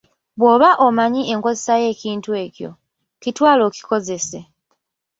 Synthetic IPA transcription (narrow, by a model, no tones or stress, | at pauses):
βwo̞ːβaʔomaɲie̞ŋko̞zesaje̞ːciːntue̞ːcjo̞̰ | citwaːlo̞ci̥ko̞ze̞se̞